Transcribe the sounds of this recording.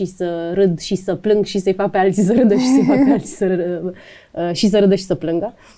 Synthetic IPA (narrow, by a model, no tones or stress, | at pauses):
isəɾɨd̪ʃisəplɨŋɡʃisəjfak̚pealt̪t͡sisəɾɨd̪əʃisəjfakpealt̪t͡si̥səɾɨ | əʃis̬əɾɨd̪əʃi̥səplɨŋɡə